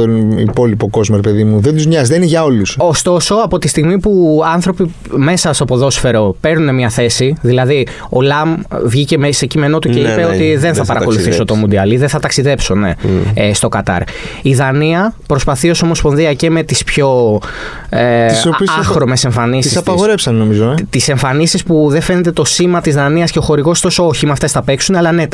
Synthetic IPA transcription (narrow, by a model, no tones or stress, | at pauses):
onḭpo̞lipo̞ko̞zmoɾepeðimuðend̪uzmɲɐzðenineʝɐo̞luso̞st̪o̞so̞ɐpo̞t̪ist̪iɣmipuɐnθɾo̞pi | me̞sɐst̪opo̞ðo̞sfe̞ɾo̞pe̞ɾnune̞mɲɐθe̞siðilɐði | o̞lɐmvʝice̞mese̞cime̞no̞t̪uceipeo̞t̪iðe̞nθɐpɐɾɐko̞luθisot̪o̞mund̪iɐliðenθɐt̪ɐksiðe̞pso̞ne̞̰st̪o̞kɐt̪ɐ̰ɾ | iðɐniɐpɾo̞spɐθio̞so̞mo̞spo̞nðiɐce̞me̞t̪ispço̞ | iɐxɾome̞se̞ɱfɐnisisɐpɐɣoɾepsɐnnomizot̪ise̞ɱfɐnisispuðefe̞ne̞t̪e̞t̪o̞simɐt̪izðɐniɐsce̞oxo̞ɾiɣo̞st̪o̞sooçimɐːft̪e̞sθɐpe̞ksuneɐlɐne̞